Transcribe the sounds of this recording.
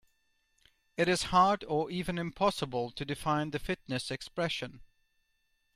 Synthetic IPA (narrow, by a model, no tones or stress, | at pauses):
ɨɾɨz̥hɑɹdə˞ʔivɨ̃nɨ̃mpʰɑsəbəlˠtʰɨdɨfãɪ̃nðɨfɪtⁿnɨsɨkspɹɛʃɨ̃n